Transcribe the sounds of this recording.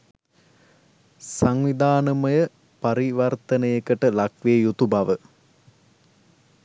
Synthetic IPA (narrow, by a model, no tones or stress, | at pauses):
saŋʋid̪aːnəməjə | pɐɾiʋɐrt̪ənəjekəʈəlakʋeːjut̪ubaʋə